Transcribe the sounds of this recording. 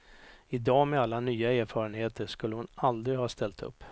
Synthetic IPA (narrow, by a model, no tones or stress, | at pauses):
ɪd̪ɑːmɛalːanyːaæːɾfɑːɾənheːt̪əʂkɵlːəhʊnald̪ɾɪhɑːst̪ʰɛlt̪ɵ̰pː